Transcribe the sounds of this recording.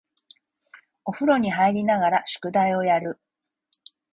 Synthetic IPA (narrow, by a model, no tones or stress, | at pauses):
o̞ɸɯ̟ɾo̞ɲ̟iɦaiɾʲinaɡaɾaɕɨ̥kɯ̟d̪aio̞jaɾɯ̟